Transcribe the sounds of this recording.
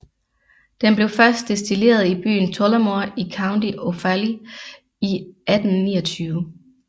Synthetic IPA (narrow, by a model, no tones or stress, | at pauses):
d̥enb̥le̝ʊfɶɐsd̥e̝sd̥ile̝̰ːɐð̞ˠib̥y̰ːn̩t͡sʰɔlɐmo̝ɐikʰɑ̈ʊnd̥iʔo̝fæli | iæd̥n̩ːḭːɐt͡sʰyːʊə